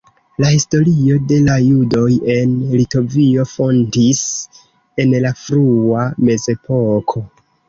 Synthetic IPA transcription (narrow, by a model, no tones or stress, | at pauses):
lahisto̞ɾio̞de̞lajudo̞je̞nlito̞vio̞fo̞ndis | e̞nlafɾuame̞ze̞po̞kʰo̞